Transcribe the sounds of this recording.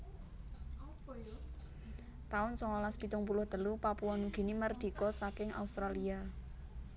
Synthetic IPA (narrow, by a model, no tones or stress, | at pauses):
t̪aʊnsɔŋɔlaspit̪ʊŋpulʊhd̪əlupapuɔnuɡ̥i̤nimərd̪̥i̤kɔsakɪŋa̰ust̪ɾalia